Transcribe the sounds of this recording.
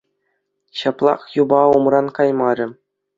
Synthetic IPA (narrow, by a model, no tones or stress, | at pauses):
ɕɑplˠɑ̰χjubɑumrɑnkɑjmɑɾʲɘ̆